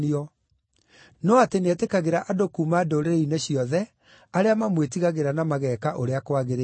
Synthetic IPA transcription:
niɔ | nɔatenɛtekaɣeɾaʔadokuːmadoɾeɾeineɕiɔðɛ | aɾeamamwetiɣaɣeɾanamaɣɛːkaʔoɾeakwaɣeɾe

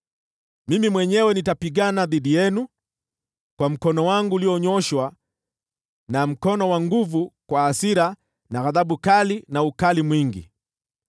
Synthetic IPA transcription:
mimimwɛɲɛwɛnitapiɠanaðiɗijɛnu | kwam̩kɔnɔwaŋɡuːliɔɲɔʃwa | nam̩kɔnɔwaŋɡuvukwaːsiɾa | naɣaðaɓukalinaukalimwiŋɡḭ

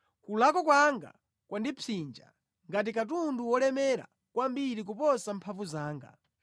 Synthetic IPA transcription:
kulakɔk̬waŋɡa̰ | kwʔandit͡sʰind͡ʒa̰ | ŋɡat̬ikat̬unduwɔlɛmɛɾa̰ | kwambiɾik̬upɔsampʰavuzaːŋɡa̰

